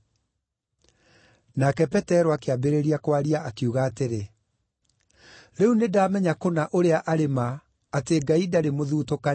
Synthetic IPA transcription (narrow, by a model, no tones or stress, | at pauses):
nakɛpɛtɛɾɔakeabeɾeɾiakwaɾiaʔakeuɣaːteɾe | ɾeunedaːmɛɲakonaʔoɾeaʔaɾemaː | teɡaidaɾemoðuːtoka